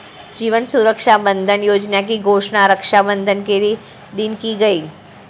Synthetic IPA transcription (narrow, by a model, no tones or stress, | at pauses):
d͡ʒiːʋənsuɾəkʃabə̃nd̪ʱənjoːd͡ʒnak̬iɡʱoːʃnaɾəkʃabə̃nd̪ʱənkeɾi | d̪ɪnkiɡɐiː